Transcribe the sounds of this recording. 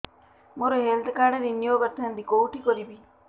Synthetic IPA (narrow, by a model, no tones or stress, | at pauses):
moɾoɦeld̪kaɽeɾinjoːbət̪ʰːənd̪ikowʈikɔɾibi